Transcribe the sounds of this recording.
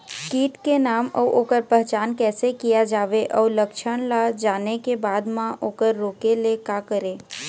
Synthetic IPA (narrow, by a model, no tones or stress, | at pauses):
kiːʈkenaːmɔːʔoːkəɾpɛɦt͡ʃaːnkɛːsekijad͡ʒaːʋeʔɔːləkʃʰəɽ̃lad͡ʒaːnekebaːd̪mãʔoːkəɾːoːkelekaːkəɾẽː